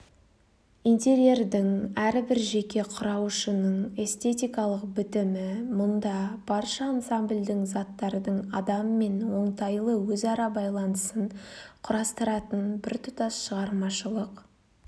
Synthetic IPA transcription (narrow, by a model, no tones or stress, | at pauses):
int̪ʲe̞ɾje̞rd̪ɪŋæɾɪbɪɾʒe̞kʲe̞qʰʊɾɑwʃənəɴe̞st̪e̞t̪ʲijkɑlˠəqbɪt̪ɪmɪmʊnd̪ɑb̥ɑɾʃəːnsambld̪ɪŋzɑt̪ːɑɾd̪əɴɑd̪ɑmːe̞nwo̞ɴt̪ɑjlˠəwɵzɑɾɑbɑjlˠɑnəsəɴqʰʊɾɑst̪əɾɑt̪ənbɪɾt̪ʰʊ̥t̪ɑsʃəʁɑɾmɑʃəlˠəq